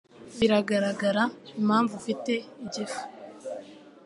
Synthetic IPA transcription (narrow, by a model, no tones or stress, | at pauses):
βiɾaɡaɾaɡaɾaimhaːɱvufite̞iɟifu̥